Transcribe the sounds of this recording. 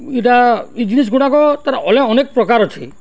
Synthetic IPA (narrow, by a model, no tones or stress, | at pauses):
iʈaid͡ʒinis̬ɡuɽakɔt̪aɾaʔɔleɔnek̚pɾɔkaɾɔtʰḭ